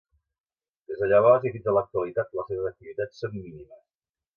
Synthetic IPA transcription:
d̪̥ezðəʎaβazifid͡zələk̚t̪uəlit̪at̪ləseβəzək̚t̪iβit̪at͡sːonminiməs

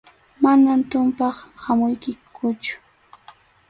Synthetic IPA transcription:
manamt̪ʊmpɑχhamʊjkɪkʰʊt͡ʃʊ̥

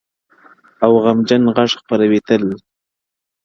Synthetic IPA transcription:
awɣamd͡ʒanɣaʂxpaɾawet̪əl

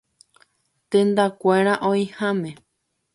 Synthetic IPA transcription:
t̪ẽnd̪akʷeɾ̃ãʔõĩhãmẽ

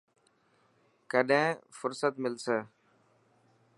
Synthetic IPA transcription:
kəɗẽːfʊɾsət̪mɪlseː

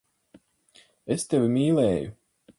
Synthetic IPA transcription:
est̪evʲimiːlɛːjṵ

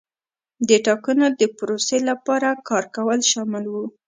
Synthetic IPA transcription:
d̪əʈɑkanod̪əpʊɾoselapɑɾakɑɾkawəlʃɑmɪlwu

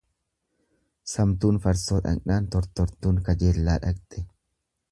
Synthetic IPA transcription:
sɐmt̪uːnfɐɾsoːᶑ̪ɐ̰nʔaːnt̪ɔɾt̪ɔɾt̪uːŋkɐd͡ʒeːlːaːᶑɐkt̪ʼɛ

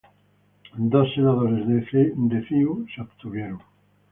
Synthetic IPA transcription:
d̪osːenaðoɾezðed̪efiusopt̪uβjeɾoŋ

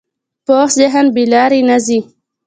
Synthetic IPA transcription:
poːxzeɦənbilɑːɾinazi

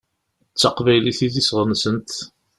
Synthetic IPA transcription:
t͡sːɑqvæjliθiðisʁənsənt̪

